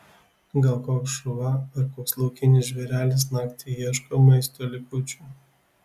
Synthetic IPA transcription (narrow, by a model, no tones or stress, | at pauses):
ɡɐlˠkoːkʃʊʋɐɐɾkoːkslˠɐʊkʲɪnʲɪʒʲʋʲɛɾʲæːlʲɪs̬nɑːkt̪ʲɪjiɛʃkomɐɪst̪oːlʲɪkʊt͡ʃʲuː